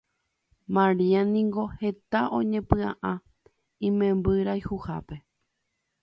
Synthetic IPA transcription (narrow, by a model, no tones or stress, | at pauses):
mãɾianĩŋɡo̞he̞t̪aʔõ̞ɲẽpɨ̃ã̰ʔã | ĩmẽmbɨɾajhuha̰pe̞